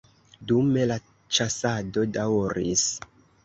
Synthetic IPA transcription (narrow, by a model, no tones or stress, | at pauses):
dume̞la | t͡ʃasado̞dawɾḭs